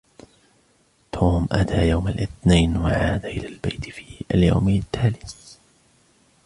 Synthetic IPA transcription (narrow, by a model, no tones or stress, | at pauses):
t̪ʰuːmʔa̰t̪ʰaːjawmalʔɪθnajnwaʕaːd̪aʔɪlaːlbajt̪fiːalja̰wmt̪ːaːlɪθ